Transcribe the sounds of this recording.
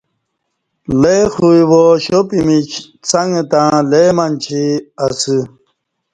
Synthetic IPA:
lexujwoɕopimit͡ɕ | t͡sɐŋɡet̪ãlemant͡ɕʰiɐsɨ

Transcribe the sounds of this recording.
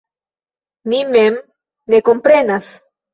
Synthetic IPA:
nimem | nekompɾenas

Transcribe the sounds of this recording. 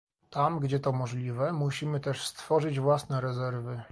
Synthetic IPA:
t̪amɡd͡ʑɛt̪ɔmɔʐlʲivɛmuɕimɘt̪ɛʂst̪fɔʐɘd͡ʑvwasnɛɾɛzɛɾvɘ

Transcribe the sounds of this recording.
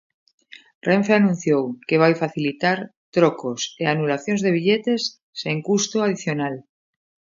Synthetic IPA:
rẽɱfeanũn̟θjowkeβ̞ajfaθilit̪aɾ | t̪ɾokoseanulaθjonzðe̞β̞iʎet̪esː | eŋkust̪oað̞iθjonal

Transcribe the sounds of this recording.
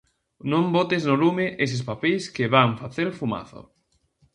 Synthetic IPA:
nõmbot̪eznolumɪʔes̬ɪspapejskɪβaŋɱfaθeɾfuma̰θo̰

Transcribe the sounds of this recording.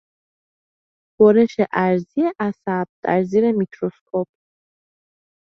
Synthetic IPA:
b̥ɔɾɛʃɛʔæɾziɛʔasab̚d̪̥æ̰ɾziɾɛmitʰɾɔskʰɔp̚ʰ

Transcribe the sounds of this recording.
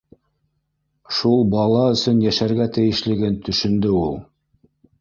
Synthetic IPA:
ʃulˠbɑlˠɑɵ̆sɵnjæʃæɾɡæt̪ɘ̆jɘ̆ʃlɘ̆ɡɘnt̪ɵ̆ʃɵ̆nd̪ɵulˠ

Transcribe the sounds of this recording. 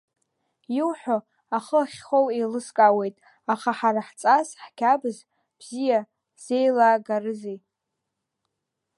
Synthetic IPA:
jiwħʷᶣo | aχəχʲχowejlɨskʼawe̞jtʼ | aχaħaɾaħt͡sʼasħkʲʰabɨz | b̥zija | z̥e̞jlaːɡarɨzej

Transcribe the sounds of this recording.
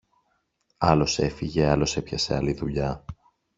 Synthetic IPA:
ɐlo̞se̞fiʝe̞ɐlo̞sepçɐse̞ɐliðuʎɐ

